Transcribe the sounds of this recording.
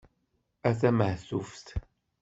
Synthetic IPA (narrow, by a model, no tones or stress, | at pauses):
æθæməhθufθ